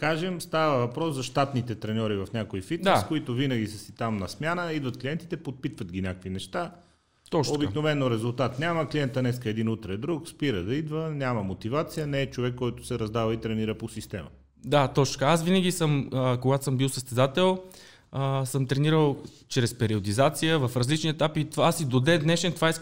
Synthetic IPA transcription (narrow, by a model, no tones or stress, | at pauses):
kaʒɛmst̪avəvɐpɾɔszɐʃt̪at̪nit̪ɛt̪ɾɛnʲɔɾivɐfnʲakojfit̪nɛskoit̪ovinəɡʲisəsit̪amnɐsmʲjanəid̪vɐt̪klijɛnt̪it̪ɛpot̪̚pit̪vət̪ɡʲinʲakkvinɛʃt̪a | t̪ɔt͡ʃobiknovɛnːoɾɛzʊlˠt̪at̪nʲaməkliɛnt̪ənɛskəɛd̪inut̪ɾɛd̪ɾukspiɾəd̪ɐid̪vənʲamɐmot̪ivat̪sijənɛːt͡ʃovɛkːɔjt̪ʊ̥sɛɾɐzd̪avəit̪ɾɛniɾəposist̪ɛmə̰ | d̪at̪ɔt͡ʃkəasvinəɡʲisəməkoɡat̪o̥səmbilˠsəst̪ɛzat̪ɛlˠ | əsəmt̪ɾɛniɾəlˠ | t͡ʃɾɛspɛɾiod̪izat̪sijəvəfɾɐzlit͡ʃniɛt̪apit̪vaasid̪od̪ɛd̪nɛʃɛnt̪vaisk